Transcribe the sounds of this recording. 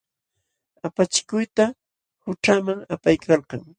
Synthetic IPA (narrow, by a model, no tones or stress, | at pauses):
apat͡ʃɪ̥kʊjt̪a | hʊʈ͡ʂamaŋapajkʰɑlqɑŋ